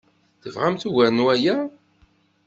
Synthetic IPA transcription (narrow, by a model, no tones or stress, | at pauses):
θəvʁamθuʝæɾnwæjæ